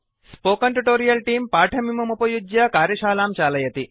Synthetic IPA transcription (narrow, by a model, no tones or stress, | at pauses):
spoːkɐɳʈuʈoːɾijɐlʈiːmpaːʈʰɐmimɐmupɐjud͡ʒjakaːɾjɐʃaːlaːmt͡ʃaːlɐjɐt̪i